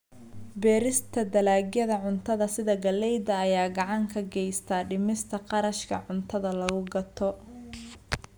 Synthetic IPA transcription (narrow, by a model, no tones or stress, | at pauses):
bɛːɾɪst̪ʰɐd̪ɐlaːɡjɐðɐʕʊnt̪ʰɐðɐsɪðɐɡɐlːɛjd̪ɐːjaːɡɑʕɑŋkʰɐɡɛjst̪ʰaːɖɪmɪst̪ʰɐqɑɾɐʃkʰɐ̰ʕʊnt̪ʰɐðɐlɐɣʊɡɐt̪ʰɔ